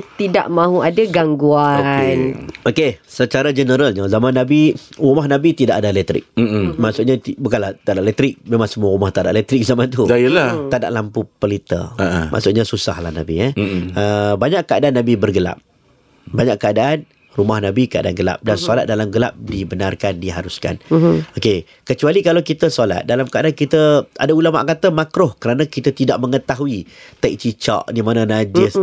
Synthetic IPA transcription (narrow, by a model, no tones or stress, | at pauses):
t̪idaʔmãɦuadaɡaŋɡuanokesət͡ʃaɾad͡ʒənəɾalɲəzamanːabiɾumahnãbit̪idaʔadalɛt̪ɾɪ̰k̩̚maʔsʊʔɲat̪ibukanlaht̪adaʔlɛt̪ɾɪk̚mẽmãŋsəmuaɾumaht̪aʔdaʔlɛt̪ɾɪk̚zamant̪udailat̪ada̰ʔlampupəlit̪ə̰ama̰ʔsʊʔ̚ɲasusahla̰hnabiɛəbaɲaʔkːəadaʔanːabibərɡəla̰p̚ | baɲaʔkːəadaʔan | rumahnabikəa̰daanɡəla̰p̚dansola̰t̪̚dalamɡəla̰p̚dibənarkandiɦaɾuska̰noke | kət͡ʃualikalawkit̪əsola̰t̪̚dalamkəadankit̪əadaulama̰ʔkat̪əmakɾʊhkəɾanãkit̪ət̪idaʔ̚məŋət̪aɦuit̪ak̚t͡ʃit͡ʃa̰ʔdimanãnad͡ʒɪs